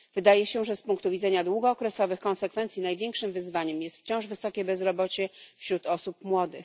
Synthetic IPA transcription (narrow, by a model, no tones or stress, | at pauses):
v̥ɘd̪ajɛɕɛʐɛspuŋkt̪uvʲid̪zɛɲad̪wuɡɔːkɾɛsɔvɘxkɔ̃nsɛkfɛnt̪sʲjinajvʲjɛŋkʂɘmvɘzvaɲɛmjɛst̪ft͡ɕɔ̃w̃ʐvɘsɔkʲɛbɛzɾɔbɔt͡ɕɛfɕɾut̪ɔsup̚mwɔd̪ɘx